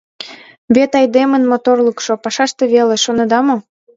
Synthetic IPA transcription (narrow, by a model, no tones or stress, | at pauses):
βet̪ɑjd̪emənmot̪orləkʃopɑʃɑʃt̪eβeleʃonɑd̪ɑmo